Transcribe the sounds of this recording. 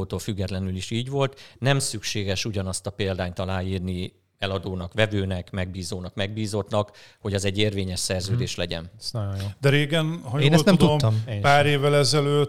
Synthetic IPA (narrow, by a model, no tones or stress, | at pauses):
oːt̪oːlfyɡːɛt̪lɛnyliʃiːɟʋo̞lt̪nɛmsykʃeːɡɛʃuɟɒnɒst̪ɒpeːld̪aːɲt̪ɒlaːjiːrni | ɛlɒd̪oːnɒkʋɛvøːnɛkmɛɡ̚biːzoːnɒkmɛɡ̚biːzo̞t̪nɒkho̞ɟɒzɛɟːeːrveːɲɛʃsɛrzøːd̪eːʃlɛɟɛ̰nsnɔjonjod̪ɛɾeːɡɛnɦɒjoeːnɛsnɛmd̪uomt̪ːmpaːɾeːvːɛlɛzɛløː